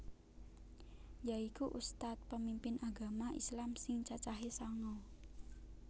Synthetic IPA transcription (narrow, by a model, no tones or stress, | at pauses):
jaikuʔust̪at̪̚pəmimpɪnaɡa̤maʔḭslamsɪŋt͡ʃat͡ʃaɦesaŋɔ